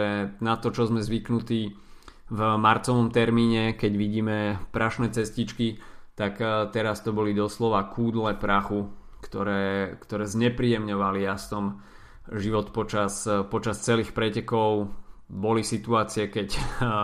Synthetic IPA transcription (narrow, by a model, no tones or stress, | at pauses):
ɛnat̪ɔt͡ʃɔzmɛzʋiknut̪iː | vmaɾt͡sɔʋɔmt̪ɛɾmiːɲɛkɛɟʋiɟiːmɛpɾaʃnɛːt͡sɛscit͡ʃkit̪akt̪ɛɾast̪ɔbɔlid̪ɔslɔʋakʰuːd̪lɛpɾaxu | kt̪ɔɾɛːkt̪ɔɾɛːzɲɛpɾiːjɛmɲɔʋaliast̪ɔm | ʒiʋɔt̪pɔt͡ʃaspɔt͡ʃast͡sɛliːxpɾɛcɛkɔʊbɔlisit̪uaːt͡siɛkɛc